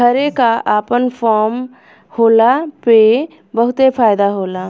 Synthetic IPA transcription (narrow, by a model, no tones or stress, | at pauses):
ɦəɾekaʔapənpʰɔɾm | holape | bəɦut̪epʰajd̪aɦola